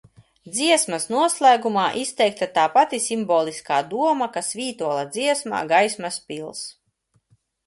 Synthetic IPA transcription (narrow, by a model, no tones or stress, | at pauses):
d̪ziɛsmasnuɔslˠæːɡumaːʔist̪ɛjk̚t̪at̪aːpat̪isimbɔːlˠiskaːd̪uɔmakasviːt̪uɔlˠad̪ziɛsma̰ːɡajsmaspʲilˠs